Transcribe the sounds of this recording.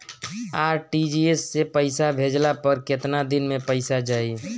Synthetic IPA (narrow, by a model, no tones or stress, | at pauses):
aːɾʈid͡ʒiesːepəɪsabʱeːd͡ʒlapəɾkɪt̪nad̪ɪnmẽpəɪsad͡ʒaːi